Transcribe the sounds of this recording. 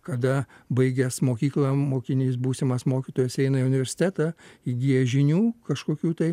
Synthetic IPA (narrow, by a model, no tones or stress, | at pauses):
kɐd̪ɐbɐɪɡʲɛsmoːkʲiːklˠɐmoːkʲɪnʲiːs̬buːsʲɪmɐsmoːkʲɪt̪oːjɛsɛɪnɐɪʊnʲɪʋʲɛɾʲsʲɪ̥t̪ʲæːt̪ɑiɡʲiːjɛʒʲɪnʲuːkɐʃkoːkʲuːt̪ɐɪ